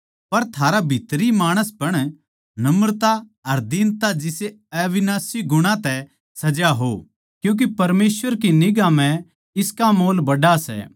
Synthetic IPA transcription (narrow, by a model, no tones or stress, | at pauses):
pɐɾt̪ʰaːɾabʱit̪ɾimaːɽ̃əspɐɽ̃ | nɐmɾt̪aɐɾd̪int̪ad͡ʒɪse | ɐʋɪnaːsiɡʊɽ̃ãt̪ɛ | sɐd͡ʒaɦo̰ | kjũːk̬ipɐɾmeːsʋəɾkinɪɡãm̤ɛ̃ | ɪskamoːlbɐɖasɛ̰ː